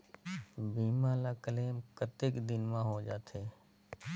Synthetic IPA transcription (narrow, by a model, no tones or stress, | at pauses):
biːmãːlaːkəleːmkət̪ɪːkd̪ɪnmãːɦoːd͡ʒaːt̪ʰeː